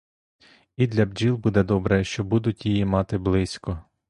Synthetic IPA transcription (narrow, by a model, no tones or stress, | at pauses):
id̪lʲɐbd͡ʒilˠbud̪ɛd̪ɔbɾɛʃt͡ʃɔbud̪ʊtʲjijimɑt̪ɪblˠɪsʲkɔ